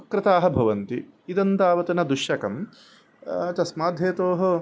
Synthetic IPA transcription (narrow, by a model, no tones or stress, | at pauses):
ɐkɾɪt̪aːɦɐ̆bʱɐʋɐnt̪iid̪ɐnt̪aːʋɐt̪ɐnɐd̪uʃjɐkɐm | t̪ɐsmaːd̪ʱeːt̪oːɦɐ̆